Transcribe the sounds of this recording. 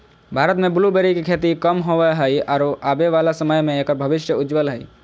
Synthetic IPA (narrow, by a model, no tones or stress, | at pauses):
bʱaːɾət̪mẽbʊlubeɾikekʰeːt̪ikəmɦoʋəɦəiɔːɾoʔaːbeʋaːlasəməjmẽeːkəɾbʱəʋɪʃjəʊd͡ʒʋəlɦəi